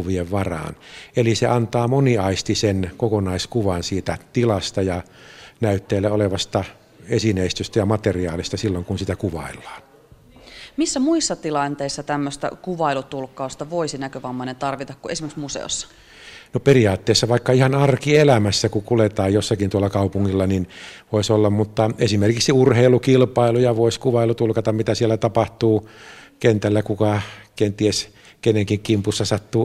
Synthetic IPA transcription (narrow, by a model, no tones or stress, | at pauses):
ʋieʋʋɑrɑ̰ːnelisḛɑnt̪ɑːmoniɑist̪isenkokonɑiskuʋɑnsiːt̪æt̪ilɑst̪ɑjɑ | næyt̪ːeːlːæoleʋɑst̪ɑ | esineˑist̪yst̪æjɑmɑt̪eriɑːlist̪ɑsilːoŋkunsit̪ækuʋɑ̰ˑilːɑ̥ːn | misːæmuisːɑt̪ilɑnt̪eisːɑt̪æmːøst̪æ̰kuʋɑilut̪ulkːɑust̪ɑʋoisinækøʋɑmːɑinent̪ɑrʋit̪ɑkkuesimeksmusḛo̰sːɑ̥ | noperiɑːt̪ːeːsːɑʋɑikːɑihɑnɑrkielæmæsːækukulet̪ɑːjjosːɑkint̪uɑlːɑkɑupuŋːilːɑninʋoˑisolːɑmmut̪ːɑesimerkiksiurheilukilpɑilujɑʋoˑiskuʋɑilut̪ulkɑt̪ɑmmit̪æsielːˑæt̪ɑpɑht̪uːkent̪ælːækukɑkent̪ies | keneŋkiŋkimpusːɑsɑt̪ːuː